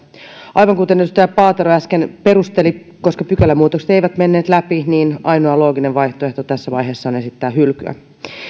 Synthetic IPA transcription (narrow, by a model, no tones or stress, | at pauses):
ʔɑjʋɑŋkut̪enːet̪st̪æːpɑːt̪eɾoæskenpe̞ɾust̪e̞li | ko̞skɑpykælːæmːuːt̪okset̪ejʋæt̪me̞nːe̞ːt̪læpiniːnɑjnoɑlo̞ːɡineʋʋɑjht̪oe̞ht̪ot̪æsːæʋɑjɦe̞ːsːɑone̞sit̪ːæːɦylky̰æ̰